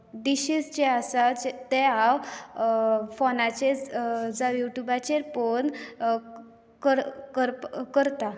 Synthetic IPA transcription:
ɖiɕisd͡ʑeasad͡ʑet̪ɛaw | fonat͡ɕed͡zajuʈjubat͡ɕeɾfon | kəɾkəɾkəɾt̪a

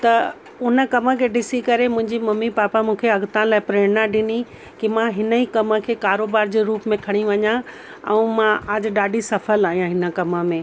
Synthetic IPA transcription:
t̪ɐ | ʊnə̆kɐmə̆kʰeːɖɪsikɐɾemʊ̃ɦɪ̃ɲd͡ʑimɐmipaːpamũːkʰeɐɡt̪ãlaːɪpɾeːɽnaɗɪni | kimãɦɪnəiːkɐmə̆kʰeːkaːɾoːbaːɾd͡ʑeːɾuːpmẽkʰɐɽ̃iʋɐɲã | ɛ̰̃ũːmãɐd͡ʑɗaːɖisɐfəlaːɦijãɦɪnə̆kɐmə̆mẽː

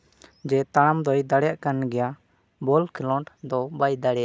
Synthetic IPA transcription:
d͡ʒɛt̪aɽ̃amd̪ɔjd̪aɽɛjaʔkanɡɛja | bɔlkʰɛlɔɳʈd̪ɔbajd̪aɽɛja

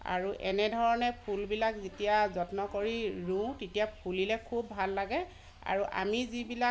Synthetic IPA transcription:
a̰ɹuʔɛnɛdʱɔɹɔnɛpʰulbilakzetijazɔtnɔkoɹiɹũtetijapʰulilɛkʰubːʱalːaɡɛ | a̰ɹuʔa̰mizibila

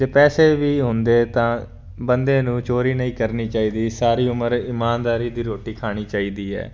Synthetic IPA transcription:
d͡ʒeːpɛːseːʋiːɦʊnd̪eːt̪ãː | bənd̪eːnũːt͡ʃoːɾiːnəĩːkəɾniːt͡ʃaːiːd̪iːsaːɾiːʊməɾɪmaːnd̪aːɾiːd̪iːɾoːʈiːkʰaːɽ̃iːt͡ʃaːiːd̪iːɛ̰ː

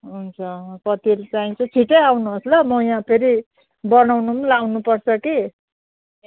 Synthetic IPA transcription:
ɦunt͡sʰʌpʌt̪ilt͡saĩt͡sʰut͡sʰiʈʌjawnuɦoslʌmʌjãpʰeɾi | bʌnawnumlawnupʌrt͡sʰʌki

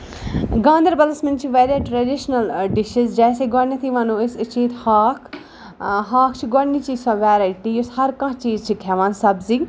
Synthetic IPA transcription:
ɡãːnd̪ɐɾbɐlɐsmɪnt͡ʃʰiʋeːɾjaʈɾɐɖiʃnɐlɖɪʃizd͡ʒɛːseɡɔnit̪ʰiʋɐ̃nõːɪsɨt͡ʃiːt̪haːkʰ | ɦaːkʰt͡ʃʰiɡɔɽnit͡ʃisoʋɛːɾajʈijʊshɐɾkãt͡ʃiːzt͡ʃʰikʰɛʋãːnsɐbzi

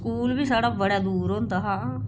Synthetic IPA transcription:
kuːlbiːsaːɽaːbəɽaːd̪uːɾõːnd̪aːɦãː

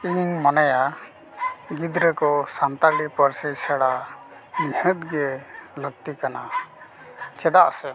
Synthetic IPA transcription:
iŋmanaja | ɡid̪ɾəkɔsamt̪aɾɖipəɾsisaɽa | mihət̪̚ɡɛləɡ̚t̪ikana̰ | t͡ʃɛd̪aʔsɛ

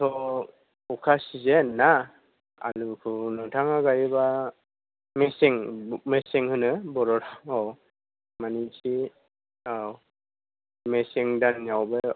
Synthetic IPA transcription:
tʰɔ | ɔkʰasizenːa | a̰lukʰɯnɯtʰaŋaɡajiba | mesiŋmesiŋhɯnɯbɔɾɔtʰaŋɔw | manitʰi | aw | mesiŋdanːjawbe

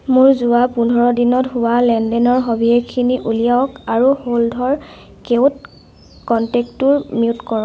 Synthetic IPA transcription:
mʊɹzʊwapundʱɔɹɔdinɔtɦʊwalɛndɛnɔɹɦobʱiekʰiniʔulijaɔkaɹuholdʱɔɹ | kewt̚ | kɔntɛktuɹmiutkɔɹɔ̃

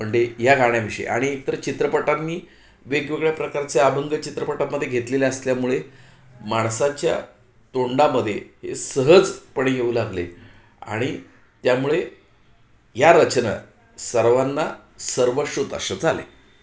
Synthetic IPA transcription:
məɳd͡ʑejaɡʱaɽ̃jaʋiɕə̰ḛʔa̰ɽ̃iet̪əɾt͡ɕit̪ɾəpəʈanːiː | ʋeɡʋeɡɭjapɾəkaɾt͡seabəŋɡət͡ɕit̪ɾəpəʈaməd̪ʱːjeɡʱet̪leleəsljamuɭe | maɳ̃sat͡ɕja̰ | t̪oɳɖaməd̪ʱːjeɦḛsəɦəd͡zpəɳejeuːlaɡlḛ | a̰ɽ̃i | t̪jamuɭe | jaɾət͡ɕnə̰ | səɾʋanːa | səɾʋəɕut̪ə̰sət͡salḛ

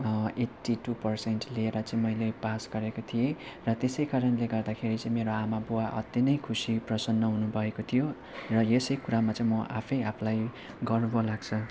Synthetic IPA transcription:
eʈːiʈupʌrsenʈlieɾʌt͡sʌ̃ĩmʌjlepasɡ̥ʌɾekot̪ʰijerʌt̪esʌjkaɾʌnleɡʌrd̪akʰeɾit͡sʌĩmeɾoamabuwaʔʌ̰t̪jʌnʌjkʰusiprʌsʌnːʌɦunubʱʌekot̪ʰijo | rʌjesʌjkuɾamat͡sʌĩmʌʔa̰pʰʌjapʰlaj | ɡʌrnubolaɡt͡sʰʌ

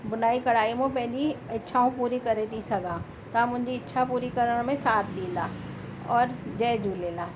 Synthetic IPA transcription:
bʊnaːikɐɽ̤aːimõpɛːliɐtːʃʰaɦũpuːɾikɐɾet̪isɐɡãː | t̪aːmʊ̃nd͡ʒiɪtːʃʰapuːɾikɐɾəɽmẽsaːt̪ʰliːlaː | ɔːɾd͡ʒɛːd͡ʒʱuːleːlaː

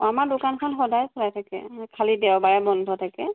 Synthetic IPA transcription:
amaɹdʊkankʰɔnxɔdajsɔlajtʰakɛ̰kʰalidɛwbaɹɛbɔndʱɔtʰakɛ

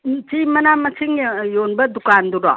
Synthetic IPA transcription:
t͡ʃimɐnamɐt͡ʃʰiŋjonbɐdukanduɾɔ̰

